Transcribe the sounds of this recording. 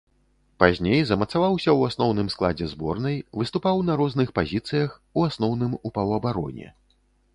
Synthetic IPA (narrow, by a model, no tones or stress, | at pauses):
pazʲnʲejzɐmɐt̪savawsʲɐwasnɔwnɨmsklˠad͡zʲɛzbɔrnɐjvɨst̪upawnɐɾɔznɨxpazʲit̪sɨjɐxuasnɔwnɨmupɐwɐbaɾɔ̰nʲɛ̰